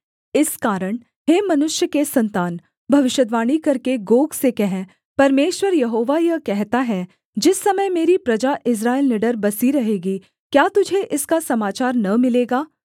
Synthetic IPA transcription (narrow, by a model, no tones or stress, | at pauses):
ɪskaːɾəɽ̃ | ɦeːmɐnʊʃjəkesɐ̃nt̪aːn | bʱɐʋɪʃjəd̪ʋaːɽ̃ikɐɾkeɡoːɡsekɛɦɛ̃ | pɐɾmeːʃwəɾjɐɦoːʋajɐkɛɦt̪aɦɛ | d͡ʒɪsːɐməjmeːɾipɾɐd͡ʒaʔɪs̬ɾaːelnɪɖəɾbɐsiɾɐɦeːɡi | kjaːt̪ʊd͡ʒʱeʔɪskasɐmaːt͡ʃaːɾnɐmɪleːɡaː